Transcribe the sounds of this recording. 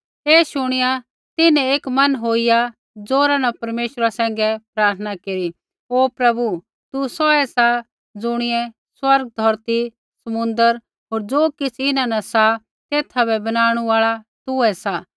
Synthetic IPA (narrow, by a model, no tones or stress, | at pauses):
eːʃʊɽ̃ɪja | t̪ɪnɛ̃eːkmɐnɦoːija | d͡zoːɾãnɐpɐɾmeːʃɾasɛ̃ːŋ̆ɡɛpɾaːɾt̪ʰənakeːɾi | oːpɾɐbu | t̪usɔɛsa | d͡zʊɽ̃ɪɛ̃ | swɐɾɡ̚d̪ʱɔɾt̪i | sɐmʊ̃nd̪əɾ | ɦoːɾd͡zoːkɪt͡sʰɪnãnɐsa | t̪eːt̪ʰabɛbɐnaːɽ̃uaːɭat̪ʊɛsa